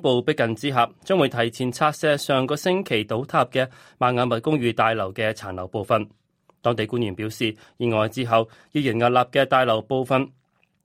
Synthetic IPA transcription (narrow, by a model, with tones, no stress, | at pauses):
po˨˧wpɪ˥kːɐ˨nt͡siː˥ɦaː˨p̚t͡sœː˥ŋwuː˨˧jt̪ʰɐ˨˩jt͡sʰiː˨˩nt͡sʰaː˧t̚sɛː˥sœː˨ŋkɔː˧sɪ˥ŋkʰe˨˩jt̪o˨˥wt̪ʰaː˧p̚kɛː˧ | maː˨nŋaː˨˧nmɐ˨t̚kʊ˥ŋjyː˨˧t̪aː˧jlɐ˨˩wkɛː˧t͡sʰaː˨˩nlɐ˨˩wpo˨wfɐ˨n | t̪ɔː˥ŋt̪e˨˧jkuː˥njyː˨˩npiː˨˥wsiː˨ | jiː˨˧nŋɔː˨jt͡siː˧˥ɦɐ˨w | jiː˧jy˨˩nŋɐ˨t̚laː˨p̚kɛː˧t̪aː˧jlɐ˨˩wpo˨˧wfɐ˨˧n